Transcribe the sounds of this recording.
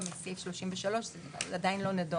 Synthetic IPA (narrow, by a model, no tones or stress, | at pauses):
misifʃloʃimveʃalo̞ʃzeladainlo̞nedo